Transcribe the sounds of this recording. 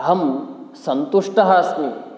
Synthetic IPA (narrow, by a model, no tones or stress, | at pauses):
ɦɐmsɐnt̪uʂʈɐɦaːsmi